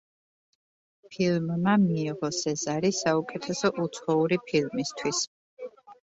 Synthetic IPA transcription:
pʰilˠmːamiːʁɔsɛzaɾisaukʼɛt̪ʰɛsɔʔut̪sʰχɔuɾipʰilˠmist̪ʰwis

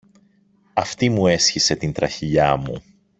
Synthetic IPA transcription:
ɐft̪imue̞sçise̞t̪int̪ɾɐçiʎɐmṵ

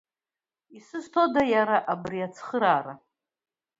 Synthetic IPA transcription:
isɨztʰo̞dajaɾaʔabriat͡sʰχɨɾaːɾa

